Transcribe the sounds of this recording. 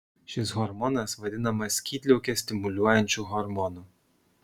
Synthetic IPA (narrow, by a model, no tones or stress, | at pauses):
ʃʲɪsɣɔɾmɔnɐsʋɐd̪ʲɪnɐmɐsʲkʲiːt̪ʲlʲɛʊkʲɛsʲt̪ʲɪmʊlʲuɔjɛnʲt͡ʃʲuɣɔɾmɔnuː